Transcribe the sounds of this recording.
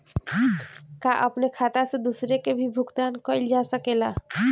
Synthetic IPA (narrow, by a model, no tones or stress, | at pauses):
kaʔəpnekʰat̪ased̪usɾekebʱibʱuɡt̪ankəɪld͡ʒasəkela